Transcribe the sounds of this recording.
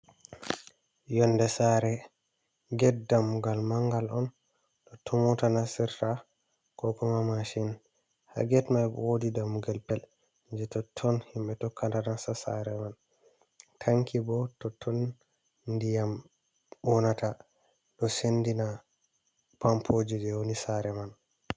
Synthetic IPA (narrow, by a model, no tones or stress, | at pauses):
jɔnːdɛsaɾɛ | ɡɛt̚damuɡalmaŋɡalɔn | ɗɔtʰɔmɔtanasiɾta | kɔkɔmamaʃin | ha̰ɡɛtmajbɔ̰wodidamuɡɛlpɛl | ɲd͡ʒɛtɔtʰːɔnhimɓɛtɔkːantanasasa̰ɾɛman | tʰaŋkʰibɔtɔtʰːɔn | ndijam | bɔnata | ɗɔsendina | pampʰod͡ʒid͡ʒɛwonisaɾɛman